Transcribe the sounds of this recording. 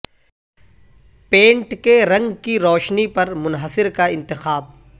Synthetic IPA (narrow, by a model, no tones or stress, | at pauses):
pẽːɳʈkeɾɐ̃ŋɡkiɾɔːʃnipɐɾmʊnɦəsɪɾkaɪ̃nt̪ɪxaːb̚